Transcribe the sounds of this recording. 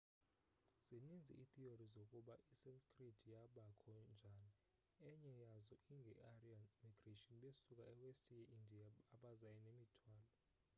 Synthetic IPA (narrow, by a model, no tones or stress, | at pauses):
z̥inind͡zʱḭʔit̪iorizokʼuɓaʔisɛnskʰʼrid̥ʱjaɓakʰɔnd͡ʒʱaːni | ɛɲɛjazɔʔiŋɡʱɛʔarianmiɡ̥retʼiɔnɓesuk̬ʼaɛwestʰʼijaʔindʱiaːɓazajɛnemitʰwaːlɔ